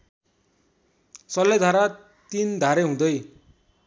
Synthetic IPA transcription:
sʌlʌjd̪ʱaɾa | t̪ind̪ʱaɾeɦũd̪ʌj

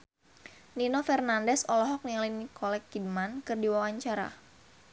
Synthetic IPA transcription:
ninofɛrnandɛsɔlɔɦɔk̚nialinikʰɔlɛkːidmankɨrdiwawaɲt͡ʃaɾa̰

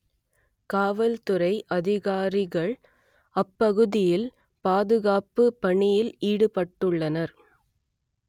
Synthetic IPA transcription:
kaːʋɐlt̪ɯɾɐɪʔɐðɪɣaːɾɪɣɐɭ | ɐpːɐɣɯðɪjɪl | paːðɯɣaːpɯpːɐɳɪjɪliːɽɯpɐʈːɯɭːɐnɐɾ

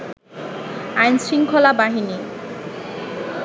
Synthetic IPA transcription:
ajnsiŋkʰɔlabaɦini

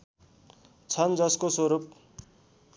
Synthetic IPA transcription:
t͡sʰʌnd͡zʌskoswoɾup̚

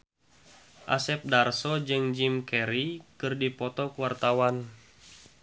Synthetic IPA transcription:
ʔa̰sɛp̚darsɔd͡ʒɨŋd͡ʒimkɛɾikɨrdipɔt̪ɔkuwart̪awan

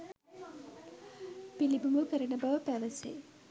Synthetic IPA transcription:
pilibuŋɡukəɾɐnɐbɐʋəpæʋɐsḛ

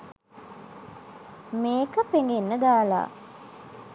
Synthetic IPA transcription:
meːkəpeŋɡenːəɡaːla̰ː

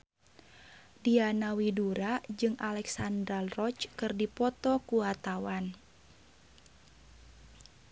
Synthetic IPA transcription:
dianawiduɾad͡ʒɨŋʔalɛksandɾalrɔt͡ʃkɨrdipɔt̪ɔkuat̪awan

